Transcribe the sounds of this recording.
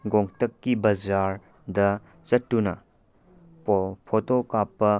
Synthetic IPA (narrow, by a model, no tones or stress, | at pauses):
ɡoŋtɐkːibɐd͡ʒaɾ | dɐ | t͡ʃɐtːunɐ | pʰotokapːɐ